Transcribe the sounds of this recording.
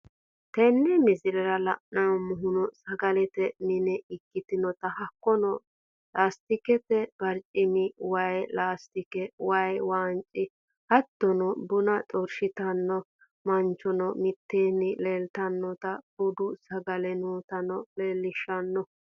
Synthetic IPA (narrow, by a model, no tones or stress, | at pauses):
t̪ɛnːɛmɪzɪɾɛɾɐlɐʔnɐnɔmʊɦʊnɔsɐɡɐlɛt̪ɛnɪnɛʔɪkːɪt̪ɪnɔt̪ɐhɐkːɔnɔ | laːst̪ɪkɛtɛbɐɾt͡ʃʼɪmɪwɐjlaːst̪ɪkɛwɐjwaːnt͡ʃʼɪ | hɐt̪ːɔnɔbʊnɐtʼɔɾʃɪt̪ɐnːɔ | mɐnt͡ʃːɔnɔmɪt̪ːeːnːɪleːlt̪ɐnːɔt̪ɐbʊd̪ʊsɐɡɐlɛnuːt̪ɐnɔleːlːɪʃɐnːɔ